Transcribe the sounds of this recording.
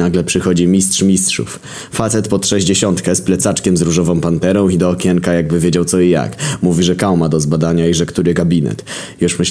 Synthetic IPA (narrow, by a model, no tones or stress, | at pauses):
aɡlɛpʂɘxɔd͡ʑimʲistʂmʲistʂṵf | fat̪sɛt̪pɔt̪ʂɛʑd͡ʑeɕɔnt̪kɛsplɛt̪sat͡ʂkʲɛmzɾuʐɔvɔ̃w̃pant̪ɛɾɔ̃w̃id̪ɔːkʲɛŋkajaɡ̚bɘvʲjed͡ʑawt̪sɔija̰kmuvʲiʐɛkawmad̪ɔzbad̪aɲaiʐɛkt̪uɾɘɡabʲinɛ̰t̪juʂmɘɕ